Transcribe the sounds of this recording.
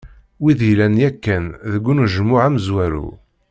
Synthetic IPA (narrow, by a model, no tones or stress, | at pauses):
wiðijlænjækːænðəɡʷːunuʒəmːʊʕæməzwæɾṵ